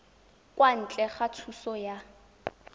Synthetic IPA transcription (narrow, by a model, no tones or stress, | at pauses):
kʼwan̩t͡ɬʼɛχat͡sʰusɔja